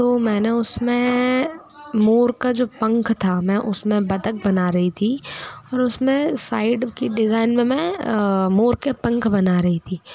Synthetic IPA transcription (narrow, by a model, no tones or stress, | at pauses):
t̪oːmɛ̃ːneʊsmẽ | moːɾkad͡ʒoːpɐ̃ŋkʰt̪ʰamɛ̃ːʔʊsmẽbɐd̪ək̚bɐnaːɾɐɦit̪ʰiɔːɾʊsmẽsaːɪɖkiɖɪzaːɪnmẽmɛ̃moːɾkepɐ̃ŋkʰbɐnaːɾɐɦit̪ʰiː